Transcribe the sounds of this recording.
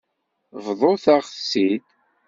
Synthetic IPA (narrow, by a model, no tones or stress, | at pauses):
vðˤoθaʁθsid̪